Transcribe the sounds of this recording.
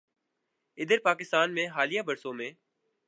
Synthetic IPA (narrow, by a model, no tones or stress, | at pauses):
ɪd̪əɾpaːkɪst̪aːnmẽːɦaːlɪjaːbəɾsõːmẽː